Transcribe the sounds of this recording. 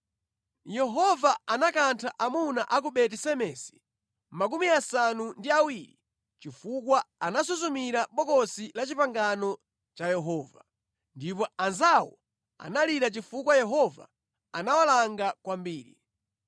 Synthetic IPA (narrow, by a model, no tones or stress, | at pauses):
jɛɦɔvaanakantʰaʔamunaʔak̬uɓɛtɛsɛmɛsi̥ | mak̬umiasanundiawiɾi | t͡ʃifukwaanasuzumiɾaɓɔkɔsilat͡ʃipaŋɡanɔ | t͡ʃajɛɦɔːva̰ | ndip̬ɔanzawɔ̰ | a̰naliɾat͡ʃifukwajɛɦɔva̰ | anawalaŋɡakwambiːɾḭ